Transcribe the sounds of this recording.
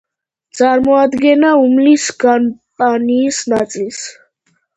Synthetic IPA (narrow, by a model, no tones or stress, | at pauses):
t̪sʼaɾmɔad̪ɡɛnaumlisɡanpʼaniːsnat̪sʼils